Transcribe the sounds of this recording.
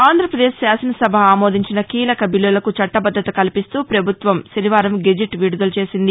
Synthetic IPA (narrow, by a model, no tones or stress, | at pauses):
aːnd̪ʱɾɐpɾɐd̪e̞ːʃːjaːsɐnɐsɐbʱɐaːmoːd̪ʱiɲt͡ʃinɐkiːlɐkɐbilːulɐkut͡ʃɐʈːɐbɐd̪ʱːɐt̪ɐkɐlipist̪uːpɾɐbʱut̪ʋɐmʃɐniʋaːɾɐmɡed͡ʒiʈʋiːɽud̪ɐlt͡ʃe̞ːsind̪i